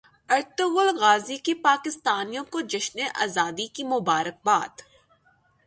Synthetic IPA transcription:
ɐɾt̪ʊɣʊlɣaːzikipaːkɪst̪aːnijõkod͡ʒɐʃneʔa̰ːzaːd̪ikimʊbaːɾək̚baːd̪

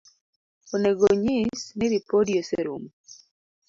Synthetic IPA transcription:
oneɡoɲɪsnɪɾipodioseɾṵm

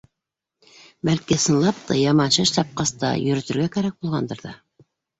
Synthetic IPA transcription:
bælkisɤ̆nlˠɑp̚t̪ɑ̰jɑmɑnʃɤʃt̪ɑp̚qɑst̪ɑ̰jɵ̆ɾɵ̆t̪ɵ̆ɾɡækæɾæk̚bulˠʁɑnd̪ɤɾðɑ̰

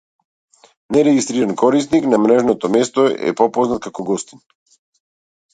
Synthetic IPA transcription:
nɛɾɛɡist̪ɾiɾankɔɾisniknamɾɛʒnɔt̪ɔmɛst̪ɔɛ̰pɔpɔznat̪kakɔɡɔst̪in

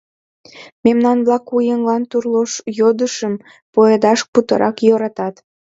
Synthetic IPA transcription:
memnɑnβlɑkujəŋlɑnt̪urloʃjod̪əʃəm | poed̪ɑʃput̪əɾʔɑkjoɾɑt̪ɑt̪

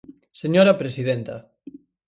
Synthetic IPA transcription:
seɲoɾapɾesiðent̪a̰

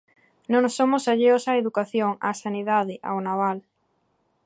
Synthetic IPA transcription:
nõŋsomosaʎeosaeðukaθjoŋa̰saniðaðɪʔa̰wnaβ̞al

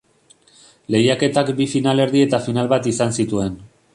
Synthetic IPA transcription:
le̞jake̞t̪akbifinale̞ɾðie̞t̪afinalβat̪isansit̪ue̞n

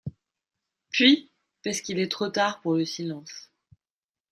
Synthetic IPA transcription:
pɥi | paʁskilɛt̪χot̪aʁpuʁləsilɑ̃s

